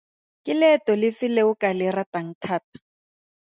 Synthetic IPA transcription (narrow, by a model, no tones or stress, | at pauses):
kʼɪlɛtɔlɪfɪleʊkalɪrataŋ̩tʰaːt̚ḁ